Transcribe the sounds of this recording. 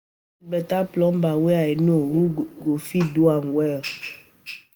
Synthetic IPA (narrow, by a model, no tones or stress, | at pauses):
bɛt̪aplɔ̃mbaweaenũowuɡofiduaŋɡwɛ